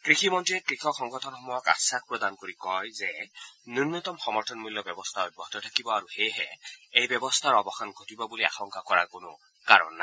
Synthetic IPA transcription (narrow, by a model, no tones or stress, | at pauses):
kɹiximɔntɹiɛkɹixɔkxɔŋɡɔtʰɔnxɔmɔjɔka̰sak̚pɹɔdankoɹikɔjzɛniɹnɔt̪ɔmxɔmɔɹtʰɔnmuljɔbɔbɔstʰaɔj̚bɔɦɔtɔtʰakibɔaɹuxejɦɛ̰ejbɛbɔstʰaɹɔbɔxankʰotibɔbulia̰xɔŋkakɔɹaɹkonʊ̰ | kaɹɔ̰nːa